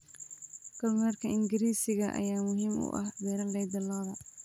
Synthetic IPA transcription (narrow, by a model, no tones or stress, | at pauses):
kʰɐlmaːrkʰɐʔɪŋɡɪɾiːsɪɣɐʔɐ̰jaːmʊɦiːmʊ̰ʔɐ̰hbɛːɾɐlːɛjd̪ɐlɐːðɐ